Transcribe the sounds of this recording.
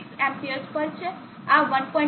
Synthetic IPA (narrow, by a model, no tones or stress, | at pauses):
ksɛ̃mpiəspəɾt͡ʃʰe | aʋənpɔ̃ĩ